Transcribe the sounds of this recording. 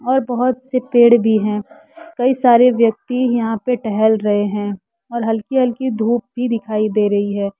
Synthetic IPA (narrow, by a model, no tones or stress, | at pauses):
ɔːɾbɐɦʊt̪sepeːɽbʱiɦɛ̃ː | kɐisaːɾeʋjɐk̚t̪ijɐɦãpeʈɛɦɛlɾɐɦeɦɛ̃ | ɔːɾɦɐlkiɦɐlkid̪ʱuːp̚bʱid̪ɪkʰaːid̪eːɾɐɦiɦɛː